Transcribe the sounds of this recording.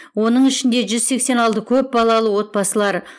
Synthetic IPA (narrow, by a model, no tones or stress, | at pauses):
wo̞nəɴɪʃɪnd̪e̞ʒʏzse̞kse̞nɑlˠt̪əkʲʰɵp̚bɑlˠɑlˠəwo̞t̪̚bɑsəlˠɑɾ